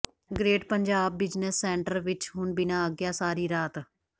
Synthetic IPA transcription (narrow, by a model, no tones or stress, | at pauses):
ɡɾeːʈpəɲd͡ʒaːbːɪd͡ʒnəsːɛːɳʈəɾʋɪt͡ʃɦʊɳbɪnãːəɡjaːsaːɾiːɾaːt̪